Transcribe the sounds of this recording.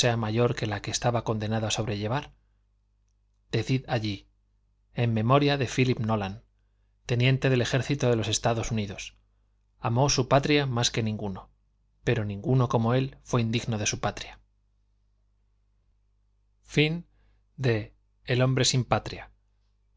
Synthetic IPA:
e̞amaʝo̞ɾke̞lake̞ːst̪aβako̞nd̪e̞naðoaso̞βɾe̞ʎe̞β̞aɾ | d̪̥e̞θiðaʎi | emːẽ̞mo̞ɾjaðe̞filipno̞lan | t̪e̞njẽ̞nt̪e̞ð̞e̞le̞xe̞ɾθit̪oðe̞lo̞se̞st̪aðo̞suniðo̞s | amo̞supat̪ɾjamaske̞nĩŋɡuno̞ | pe̞ɾo̞nĩŋɡuno̞ko̞mo̞e̞lfwe̞ind̪iɣno̞ð̞e̞supat̪ɾja | fin | d̪e̞ː | lo̞mbɾe̞simpat̪ɾja

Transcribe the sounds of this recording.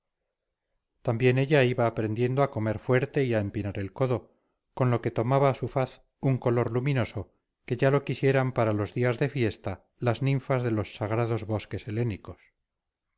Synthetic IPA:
t̪ambje̞ne̞ʎaiβaːpɾe̞nd̪je̞nd̪oako̞me̞ɾfwe̞ɾt̪e̞iaempinaɾe̞lko̞ðo̞ | ko̞nlo̞ke̞t̪o̞maβaːsufaθ | uŋko̞lo̞ɾlumino̞so̞ | ke̞ʝalo̞kisje̞ɾampaɾalo̞zðiazðe̞fje̞st̪a | laznĩɱfazðe̞lo̞sːaɣ̞ɾaðo̞zβo̞ske̞se̞le̞niko̞s

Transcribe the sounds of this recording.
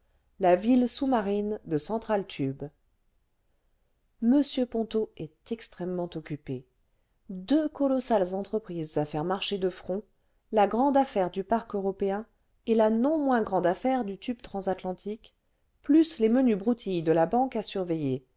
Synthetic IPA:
lavilsumaʁind̪əsɑ̃t̪χalt̪ʰyb | məsjøpɔ̃t̪oɛt̪ɛkst̪χɛmːɑ̃t̪ɔkʲype | d̪økɔlɔsalzɑ̃t̪χəpχizːafɛʁmaʁʃed̪əfχɔ̃ | laɡʁɑ̃d̪afɛʁd̪ypaʁkøʁɔpeɛ̃ | elanɔ̃mwɛ̃ɡʁɑ̃d̪afɛʁd̪yt̪ybt̪χɑ̃zat̪lɑ̃t̪ʰik | plyslemənybʁut̪ʰijd̪əlabɑ̃kasyʁveje

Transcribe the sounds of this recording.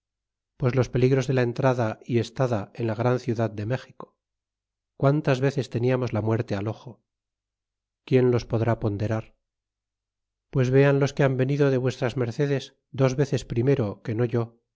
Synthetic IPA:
pwe̞zlo̞spe̞liɣɾo̞zðe̞lae̞nt̪ɾaðaie̞st̪aðae̞nlaɣ̞ɾanθjuðaðd̪eme̞xiko̥ | kwant̪azβe̞θe̞st̪e̞niamo̞zlamwe̞ɾt̪e̞alo̞χo | kje̞nlo̞spo̞ðɾapo̞nd̪e̞ɾaɾ | pwe̞zβe̞anlo̞ske̞ambe̞niðo̞ðe̞βwe̞st̪ɾazme̞ɾθe̞ðe̞z | d̪o̞zβe̞θe̞spɾime̞ɾo̞ke̞no̞ʝo̞

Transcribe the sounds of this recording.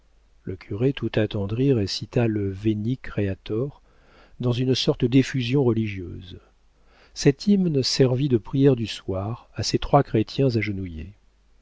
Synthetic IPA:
ləkʲʰyʁet̪ʰut̪at̪ɑ̃d̪ʁiʁesit̪aləvenikχeat̪ɔʁ | d̪ɑ̃zynsɔʁt̪d̪efyzjɔ̃ʁəliʒjø̰ːz | sɛt̪imnsɛʁvid̪əpχijɛʁd̪yswaʁaset̪χwakχet̪jɛ̃zaʒənujḛ

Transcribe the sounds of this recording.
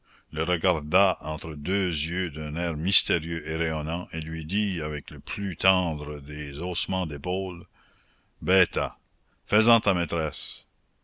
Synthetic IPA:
ləʁəɡaʁd̪aɑ̃t̪ɾəd̪øːzjød̪œ̃nɛːʁmist̪eʁjøʔeʁejɔnɑ̃ʔelɥid̪iavɛkləpʰlyt̪ɑ̃d̪ʁəd̪ezosmɑ̃d̪epol | bɛːt̪a | fəzɑ̃t̪amet̪ɾɛs

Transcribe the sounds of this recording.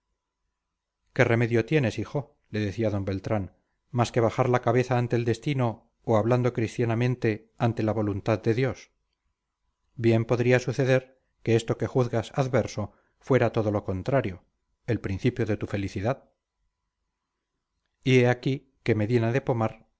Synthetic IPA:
ke̞re̞me̞ðjo̞t̪je̞ne̞sixo̞ | le̞ðe̞θiaðo̞mbe̞lt̪ɾan | maske̞β̞axaɾlakaβe̞θaːnt̪eːld̪e̞st̪ino̞ | oaβland̪o̞kɾist̪janamẽnt̪e̞ | ant̪e̞laβ̞o̞lunt̪aðd̪e̞ðjo̞s | bje̞mpo̞ðɾiasuθe̞ðe̞ɾ | ke̞est̪o̞ke̞xuθɣasaðβe̞ɾso̞ | fwe̞ɾat̪o̞ðo̞lo̞ko̞nt̪ɾaɾjo̞ | e̞lpɾin̟θipjo̞ðe̞t̪ufe̞liθiðað | ie̞aki | ke̞meðje̞naðe̞po̞maɾ

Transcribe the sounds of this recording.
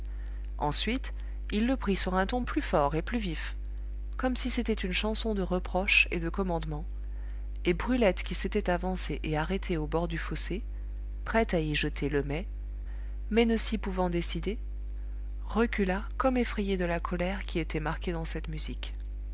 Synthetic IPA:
ɑ̰̃sɥit̪ | ilːəpχisyʁɛ̃t̪ɔ̃plyfɔʁeplyvif | kɔmsiset̪ɛt̪ynʃɑ̃sɔ̃d̪əʁəpχɔʃed̪əkɔmɑ̃d̪mɑ̃ | ebʁylɛt̪kʲiset̪ɛt̪avɑ̃seʔeaʁet̪ʰeobɔʁd̪yfose | pχɛt̪aiʒət̪ʰeləmɛ | mɛnəsipuvɑ̃d̪esid̪e | ʁəkʲyla | kɔmefχejed̪əlakʰɔlɛʁkʲiet̪ɛmaʁkʲed̪ɑ̃sɛt̪myzik

